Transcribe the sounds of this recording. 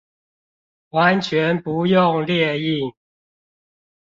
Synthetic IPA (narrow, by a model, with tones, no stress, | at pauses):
wa˨˦nt͡ɕʰɥɛ˨˦npu˨˦jʊ˥˨ŋljɛ˥˧i˥˨ŋ